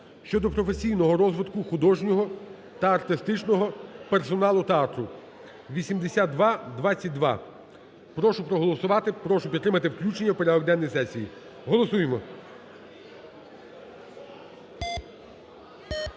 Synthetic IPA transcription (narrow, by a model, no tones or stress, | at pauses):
ʃt͡ʃɔd̪ɔpɾɔfe̞sʲijnɔɦɔɾɔzʋɪd̪kʊxʊd̪ɔʒnʲɔɦɔ | t̪ɐɐrt̪ɪst̪ɪt͡ʃnɔɦɔpersɔnɑlˠʊt̪ɐɑt̪ɾʊ | ʋʲisʲimd̪esʲat̪̚d̪ʋɑd̪ʋɑt͡sʲːɐt̚ʲd̪ʋɑ̰ | pɾɔʃʊpɾɔɦɔlˠɔsʊʋɑt̪ɪpɾɔʃʊpʲit̪ːɾɪmɐt̪ɪwklʲut͡ʃenʲːɐwpeɾʲad̪ɔɡ̚d̪ɛnːɔjsɛsʲiji | ɦɔlˠɔsujemɔ